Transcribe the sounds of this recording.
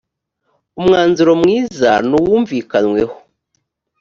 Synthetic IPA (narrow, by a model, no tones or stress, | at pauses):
umŋaːnziɾo̞mŋiːza̰nuwuːɱviːkanwe̞ho̥